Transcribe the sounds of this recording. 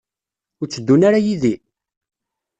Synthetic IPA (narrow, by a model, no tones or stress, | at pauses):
ʊɾt͡sːəd̪ːunaɾajiði